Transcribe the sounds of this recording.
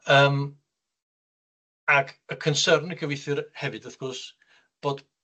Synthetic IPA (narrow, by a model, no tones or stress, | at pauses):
əːm | aɡʰəkʰənsərnəɡəvɪθɨrhɛvɨd̥əθɡ̥ɔs | b̥oːd